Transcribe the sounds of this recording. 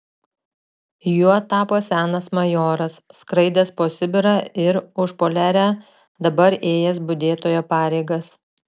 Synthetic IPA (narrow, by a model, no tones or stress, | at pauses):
juɔt̪ɑːpoːsʲæːnɐsmɐjoːɾɐsːkɾɐɪd̪ʲɛspoːsʲɪbʲɪɾɐɪɾʊʃpoːlʲæːɾʲæ | d̪ɐbɐɾeːjɛs̬bʊd̪ʲeːt̪oːjoːpɑːɾʲɛɪɡɐs